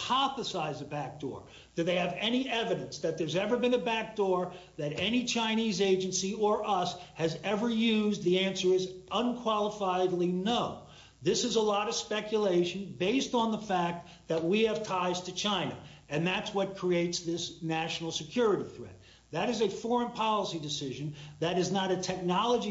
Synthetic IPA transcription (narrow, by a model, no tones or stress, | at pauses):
pʰɑθəsaɪzɨbæk̚d̥ɔ̰ɹ | ð̥ɨðeɪɨvɛñiʔɛvɨɾɨ̃nsðɨt̪̚ðə˞zɛvə˞bɨ̃nɨbæk̚d̥ɔɹðɨɾɛnit͡ʃʰãɪ̃nizeɪd͡ʒɨ̃nsiə˞ʔʌshɨzɛvə˞jʉzðiæ̃nsə˞ɨzə̃nkʰw̥ɑlˠəfaɪdˡlinoʊ | ðɪsɨzəlɔɾʌv̥spɛkjɨleɪʃɨ̃n̩beɪstn̩ðəfæk̚t̪̚ | ðɨt̚wiɨv̥tʰaɪz̥tʰɨt͡ʃʰãɪ̃nɨ̰ɨ̃nðætswʌt̚kʰɹ̥ieɪtsðɪsnæʃn̩l̩ˠsɨkʰj̥ʊɹɨɾiθɹɛ̰t̪̚ | ðɨɾɨzɨfɔɹɨ̃npʰɑlˠəsidɨsɪʒɨ̃nðɨɾɨznəɾɨtʰɛk̚nɑlˠəd͡ʒi